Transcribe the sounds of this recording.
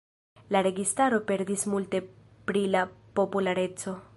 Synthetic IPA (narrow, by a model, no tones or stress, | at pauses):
laɾe̞ɡistaɾo̞pe̞ɾdismulte̞ | pɾilapo̞pulaɾe̞t͡so̞